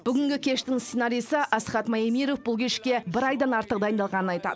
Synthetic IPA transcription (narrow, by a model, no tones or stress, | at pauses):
b̥ʏɡʲɪŋɡʲɪkʲʰe̞ʃt̪ɪŋst̪se̞nɑɾijsəʔɑsχɑt̪mɑimiɾofbʊlˠkʲʰeʃkʲe̞bɪɾɑjd̪ɑnɑɾt̪əq̚d̪ɑjənd̪ɑlˠʁɑnənɑjt̪ɑ̰d̪ə